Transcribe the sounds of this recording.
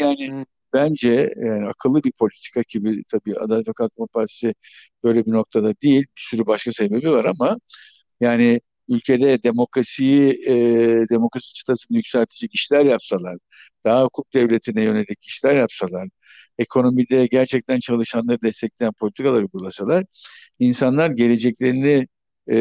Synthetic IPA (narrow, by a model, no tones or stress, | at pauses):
jaːnɪ | bænd͡ʒɛjaːniakʰɯlˠːɯbiɾpʰo̞lʲit̪ʰi̥kʰaɟʰibit̪ʰabiːa̰d̪at̪fakʰat̪mapʰaɾt̪ʰi̥sɪ | b̥ø̞jlʲebino̞k̚t̪ʰad̪ad̪ijilʲbisyɾybaʃkase̞be̞bivaɾama | jaːnɪ | ylʲcʰe̞d̪ɛd̪e̞mo̞kɾasij | d̪e̞mo̞kɾasi̥t͡ʃʰɯ̥t̪ʰasɯnd̪ajycʲsælʲt̪ʰid͡ʒɛciʃlʲæɾjapsalˠaɾ̥ | d̪̥aɦahukʰuk̚d̪ɛvlʲe̞t̪ʰinɛjø̞ne̞lʲiciʃlʲæɾjapsalˠaɾ̥ | e̞kʰo̞no̞midʲɛɟæɾt͡ʃʰɛc̚t̪ʰænt͡ʃʰalˠɯʃanlˠaɾɯd̪ɛst̪ʰɛclʲejænpʰo̞lʲit̪ʰikʰalˠaɾujɡulˠasalˠaɾ̥ | insanlˠaɾɟe̞le̞d͡ʒɛclʲe̞ɾinɪ